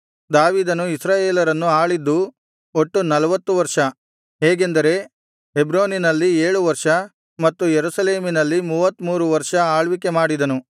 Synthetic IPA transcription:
d̪aːʋiːd̪ɐnuisɾaːjeːlɐɾɐnːuaːɭid̪ːu | o̞ʈːunɐlɐʋɐt̪ːuʋɐɾʂɐ | ɦeːɡe̞nd̪ɐɾe̞ | ɦebɾoːninɐlːieːɭuʋɐɾʂɐ | mɐt̪ːujeɾusɐle̞ːminɐlːimuːʋɐt̪ːmuːɾuʋɐɾʂɐaːɭʋike̞maːɽid̪ɐnu

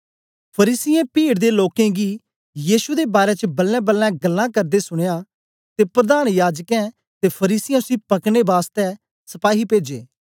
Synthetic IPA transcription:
pʰɐɾiːsɪjɛ̃piːɽd̪eloːkɛ̃ɡi | jiːʃud̪ebaːɾet͡ʃəbɐlːɛ̃bəlːɛ̃ɡɐlːãkɐɾd̪esʊɽ̃eja | t̪epɾɐd̪aːnjaːd͡ʒkɛ̃ | t̪epʰɐɾiːsɪjɛ̃ʊsĩpɐkɽ̃ebaːst̪ɛ | sɐpaːɦipeːd͡ʒḛː

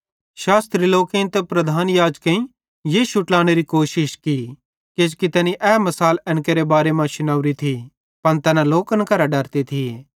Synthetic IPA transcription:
ʃaːst̪ɾiloːkẽĩnt̪ɛpɾɐd̪ʱaːnjaːd͡ʒkɐ̃ĩ | jeːʃʊʈlaːɽ̃eɾikoːʃɪʃki | ked͡ʒkit̪ɛːniʔɛːmɐsaːlɛ̃nkeɾebaːɾemãʃʊnɐʋɾit̪ʰi | pɐnt̪ɛːnãloːkənkɐɾaɖɐɾt̪et̪ʰieː

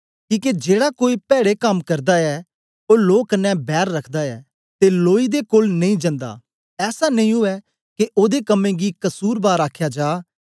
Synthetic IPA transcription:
kĩːked͡ʒeːɽakoːipɛːɽekɐmkɐɾd̪aɛ | oːloːkənːɛ̃bɛːɾːɐkʰd̪aɛː | t̪eloːid̪ekoːlnɐ̃ĩd͡ʒɐ̃nd̪a̰ː | ɛːsanə̃ĩɦʊɛ | keʔoːd̪ekɐmːẽɡikɐsuːɾbaːɾaːkʰjad͡ʒaː

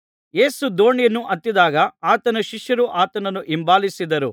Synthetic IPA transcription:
je̞ːsud̪o̞ːɳijɐnːuʔɐt̪ːid̪aːɡɐaːt̪ɐnɐʃiʃjɐɾuʔaːt̪ɐnɐnːuʔimbaːlisid̪ɐɾu

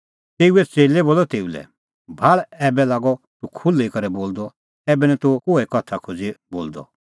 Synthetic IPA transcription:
t̪eːuɛt͡seːleboːlɔt̪eːulɛ̰ | bʱaɭɛːbɛlaːɡɔ | t̪ukʰʊlːikɐɾɛboːld̪ɔ | ɛːbɛnɛ̃t̪ukoːɛkɔt̪ʰakʰʊd͡ziboːld̪ɔ̰

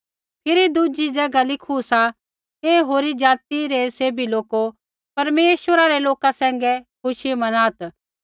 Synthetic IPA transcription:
pʰɪɾid̪ud͡ʒid͡ʒɛːɡalɪkʰusa | eːɦoːɾid͡ʒaːt̪iɾɛseːbiloːko | pɐɾmeːʃwəɾaɾɛloːkasɛ̃ːŋɡɛkʰʊʃimɐnaːt̪

